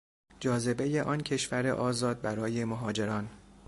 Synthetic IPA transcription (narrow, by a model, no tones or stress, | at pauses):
d͡ʒɒːze̞be̞jeʔɒːncʰe̞ʃvæɾḛʔɒːzɒːd̪̚bæɾɒːje̞moɦɒːd͡ʒe̞ɾɒːn